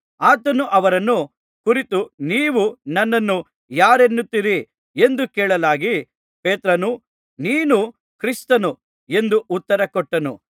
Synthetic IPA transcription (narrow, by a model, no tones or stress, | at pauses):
aːt̪ɐnuʔɐʋɐɾɐnːu | kuɾit̪uniːʋunɐnːɐnːu | jaːɾenːut̪ːiɾi | e̞nd̪ukeːɭɐlaːɡi | peːt̪ɾɐnu | niːnu | kɾist̪ɐnu | e̞nd̪uʔut̪ːɐɾɐkɔʈːɐnṵ